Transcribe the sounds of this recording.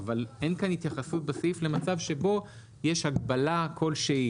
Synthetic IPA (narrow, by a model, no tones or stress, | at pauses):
vale̞nkanhit̪jaχasut̪̚basifle̞mat͡savʃe̞bo̞ | je̞ʃhaɡbalakʰo̞lʃe